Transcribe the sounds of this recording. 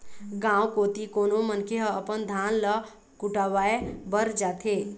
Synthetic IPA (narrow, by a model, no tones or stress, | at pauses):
ɡãːwkot̪ikoːnomənkʰeɦəəpənd̪ʱaːnlə | kʊʈaːʋaːebəɾd͡ʒaːt̪ʰeː